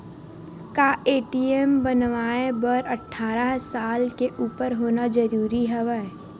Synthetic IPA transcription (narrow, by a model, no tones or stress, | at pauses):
kaːeːʈiembənʋaːebəɾəʈʰːaːɾaɦsaːlkeʔuːpəɾɦoːnad͡ʒəɾuːɾiɦɛʋɛ